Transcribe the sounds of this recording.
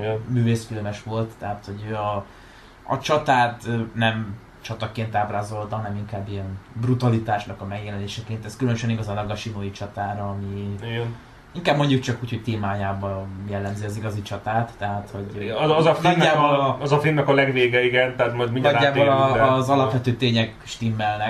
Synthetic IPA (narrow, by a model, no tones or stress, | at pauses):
ɛmyːveːsfilmɛʃʋo̞lt̪ːɛɦaːt̪ho̞ɟɒ | ɒ̰t͡ʃɒt̪aːt̪nɛm | t͡ʃɒt̪ɒkeːnt̪aːbraːzo̞lt̪ɒɦɒnɛmiŋkaːbːijɛnbrut̪ɒlit̪aːʃnɒkɒmɛɡjɛlɛneːʃɛkeːnt̪ɛskylønøʃɛniɡɒzɒnɒɡɒʃinoːit͡ʃɒt̪aːɾɒɒmiiɡɛn | iŋkaːbmo̞ɲɟuk̚t͡ʃɒkuːcho̞c̚t̪eːmaːjaːbɒjɛlːɛmziɒziɡɒzit͡ʃɒt̪aːt̪ːɛɦat̪ho̞ɟzfɒnːaːbolɒzɒfimnːɛkɒlɛɡveːɡɛiɡɛnt̪ɛɦat̪mɒjd̪minɒɡːaːb̪olːzɒlɒpʋɛt̪øːt̪eːɲɛk | ʃt̪imːɛlnɛk